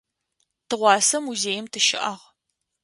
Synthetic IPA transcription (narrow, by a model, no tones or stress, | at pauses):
tʰɨʁʷɑːsɐmuzeːjɪmtʰɨʃɪ̰ʔɐʁ